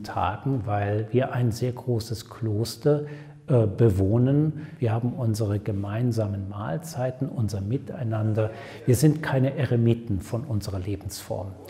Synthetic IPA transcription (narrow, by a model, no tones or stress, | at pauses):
tʰa̰ːɡŋ̩vaɪlviːɐʔaɪnzeːɐɡʁoːsəskʰl̥oːstɐ | ʔɛbəvoːnənviːɐhaːbm̩ʔʊnzəʁəɡəmaɪnzaːmənma̰ːlt͡saɪtn̩ʔʊnzɐmɪta̰ɪnandɐ | viːɐzɪntkʰaɪnəʔɛʁemiːtn̩fɔnʔʊnzəʁɐleːbm̩sfɔ̰ɐm